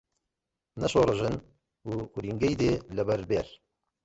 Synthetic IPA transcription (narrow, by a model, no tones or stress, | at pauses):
nɐʃoːɾɨʒɨn | uːuɾiŋɡejd̪elɛbɛɾbeɾ